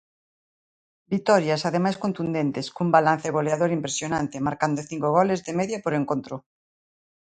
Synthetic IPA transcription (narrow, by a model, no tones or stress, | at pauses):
bit̪ɔɾjasaðemajskont̪und̪ent̪eskumbalan̟θeɣ̞oleaðoɾimpɾesjonant̪emaɾkand̪oθiŋkoɣ̞ɔlezðemeðjapoɾeŋkont̪ɾo